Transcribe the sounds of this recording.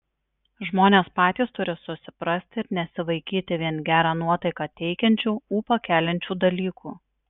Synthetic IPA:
ʒmoːnʲeːspɑːt̪ʲiːst̪ʊɾʲɪsʊsʲɪ̥pɾɐsʲt̪ʲɪɪɾnʲɛsʲɪʋɐɪkʲiːt̪ʲɪʋʲiɛnɡʲæːɾɑːnuɔt̪ɐɪkɑːt̪ʲɛɪkʲɛnʲt͡ʃʲuːuːpɐkʲæːlʲɛnʲt͡ʃʲuːd̪ɐlʲiːkʰuː

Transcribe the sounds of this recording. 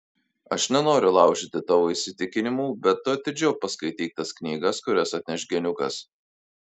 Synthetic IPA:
ɐʃnʲɛnoːɾʲʊlˠɑˑʊʃʲɪt̪ʲɪt̪ɑːʋoːɪisʲɪt̪ʲɪkʲɪnʲɪmuːbʲɛt̪ːʊɐt̪ʲɪd͡ʒʲɛʊpɐskɐɪt̪ʲiːt̪ɐsknʲiːɡɐskʊɾʲɛsɐt̪ʲnʲɛʃʲɡʲɛnʲʊkɐ̰s

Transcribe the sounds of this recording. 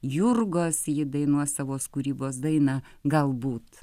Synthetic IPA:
jʊrɡoːsjɪd̪ɐɪnuɔsɑʋoːskuɾʲiːboːs̬d̪ɐɪnɐ | ɡɐlˠbuːt̪

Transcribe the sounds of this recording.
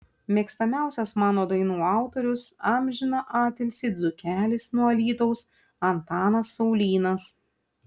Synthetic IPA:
mʲɛksʲt̪ɐmʲæˑʊsʲɛsmɑːnoːd̪ɐɪnuːɑˑʊt̪oɾʲʊsɑmʲʒʲɪnɐʔɑːt̪ʲɛlʲsʲɪd̪zʊkʲæːlʲɪsnuɐlʲiːt̪ɔʊs | ɐnt̪ɑːnɐsːɔʊlʲiːnɐs

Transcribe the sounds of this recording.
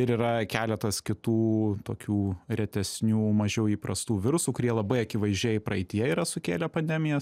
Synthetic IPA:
ɪɾiːɾɐkʲæːlʲɛt̪ɐskʲɪt̪uːt̪oːkʲuːɾʲɛt̪ʲɛsʲnʲuːmɐʒʲɛʊiːpɾɐst̪uːʋʲɪɾʊsuːkʊɾʲiɛlˠɐbɐɪɐkʲɪʋɐɪʒʲiːjɪpɾɐɪt̪ʲɪjɛɪiɾɐsʊkʲeːlʲɛpɐnʲd̪ʲɛmʲɪjɛ

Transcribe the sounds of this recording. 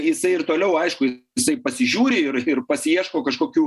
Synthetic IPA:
jɪsɐɪɪrt̪oːlʲɛʊɐɪʃkʊjɪsɐɪpɐsʲɪʒʲuːɾʲɪɪrɪrpɐsʲɪiɛʃkoːkɐʃkoːkʲuː

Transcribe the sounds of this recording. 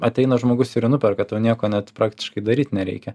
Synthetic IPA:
ɐt̪ʲɛɪnɐʒmoːɡʊsɪɾnʊpʲɛɾkɐt̪ɐʊnʲiɛkoːnʲɛt̪pɾɑːkt̪ʲɪ̥ʃkɐɪd̪ɐɾʲiːt̪nʲɛɾʲɛ̰ɪkʲɛ

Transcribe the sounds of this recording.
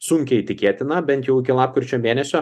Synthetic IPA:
sʊŋʲkʲɛɪt̪ʲɪkʲeːt̪ʲɪnɐbʲɛnt̪jɛʊɪkʲɪlˠɑːp̚kɪɾʲˑt͡ʃʲoːmʲeːnʲɛsʲoː

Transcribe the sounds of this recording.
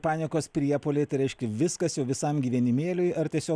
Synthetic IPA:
pɑːnʲɪkoːspʲɾʲiɛpoːlʲeːt̪ɐɪɾʲɛɪʃʲkʲɛʋʲɪskɐsjɛʊʋʲɪsɐmɡʲiːʋʲiɛnʲɪmʲeːlʲʊɪɐɾt̪ʲiɛsʲoː

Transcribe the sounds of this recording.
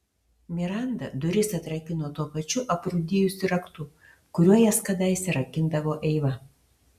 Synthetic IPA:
mʲɪɾɑˑnd̪ɐd̪ʊɾʲɪsɐt̪ɾɐkʲɪnoːt̪uɔpɐt͡ʃʲʊʔɐpɾʊd̪ʲɪjʊsʲɪɾɐkt̪ʊ | kʊɾʲuɔjɛskɐd̪ɐɪsʲɛɾɐkʲɪnd̪ɐʋoːʔɛɪʋɐ

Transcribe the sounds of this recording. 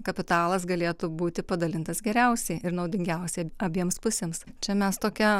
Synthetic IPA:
kɐpʲɪt̪ɑːlˠɐsɡɐlʲeːt̪ʊbuːt̪ʲɪpɐd̪ɐlʲɪnt̪ɐsɡʲɛɾʲɛʊsʲɛɪɪɾnɐʊd̪ʲɪŋʲɡʲɛʊsʲɛɪɐbʲiɛmspʊsʲeːmst͡ʃʲɛmʲɛst̪oːkʲɛ

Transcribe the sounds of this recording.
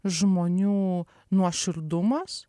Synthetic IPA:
ʒmoːnʲuː | nuɔʃʲɪɾd̪ʊmɐs

